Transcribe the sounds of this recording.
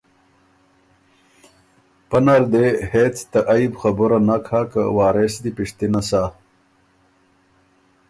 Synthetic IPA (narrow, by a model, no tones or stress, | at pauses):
pənaɾd̪ehet͡st̪aʔajbxabuɾanakʰhakə̰waːɾesd̪ipiʂt̪inasa